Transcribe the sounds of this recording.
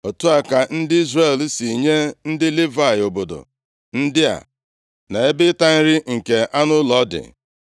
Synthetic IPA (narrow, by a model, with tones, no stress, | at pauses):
o˨tu˦a˨ka˨n̩˦dɪ˦i˦zre˨lsi˨ɲe˦n̩˦dɪ˦li˦va˦˨ɪ˨o˨bo˨do̰˨ | n̩˦dɪ˦a̰˨ | na˨e˦bɪ˦ta˦n̩˦ɾɪ˦ŋ̩˨ke˨a˦nʊ˦lɔ˨˦dɪ̰˨